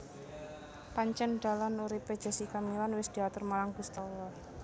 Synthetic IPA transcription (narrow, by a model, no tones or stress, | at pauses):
paɲt͡ʃənɖ̥a̤lanuɾiped̥ʒ̥a̤sikamilanwɪsd̪̥i̤at̪ʊrmalaŋɡ̥ust̪awa